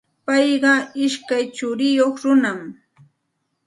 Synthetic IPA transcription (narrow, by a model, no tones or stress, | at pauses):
pɑjɢɑɪʃkajt͡ʃʊɾɪjoχɾʊnam